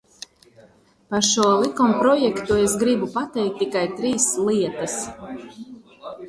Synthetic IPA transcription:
paʃuɔlˠikɔmpɾɔjɛkt̪uesɡɾibupat̪ɛjk̚t̪ːikajt̪ɾiːslˠiɛt̪as

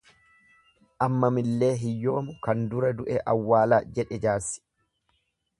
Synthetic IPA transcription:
ʔɐmːɐmɪlːe̞ːɦɪjːo̞ːmʊkɐnd̪ʊɾɐd̪ʊʔɛʔɐwːaːlaːd͡ʒɛᶑɛd͡ʒaːsːɪ̥

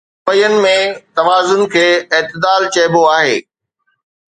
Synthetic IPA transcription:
əjənɪ̆mẽt̪ɐʋaːzʊnkʰeːɪɦt̪ɪd̪aːlt͡ɕɐɦboaːɦḛː

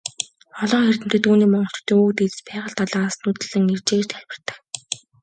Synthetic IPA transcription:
ɔɮɞːxer̥t̪ɘ̆n̥t̪ɘ̆t̪uːniːmɔɴɢɞ̆ɬt͡ɕʰt̪ʰːeːukt̪et͡sspæːʁə̆ɬt̪aɮaːsnut̪ɘ̆ɮɘ̆ŋert͡ɕĕːt͡ɕt̪xʰæɮʲpə̆r̥t̪ə̆k

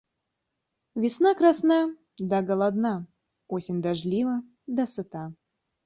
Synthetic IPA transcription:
vʲɪsnɑkrɑsnɑ | d̪ɑɡəlˠad̪nɑ | osʲɪnʲd̪ɑʒlʲivə | d̪asɨt̪ɑ

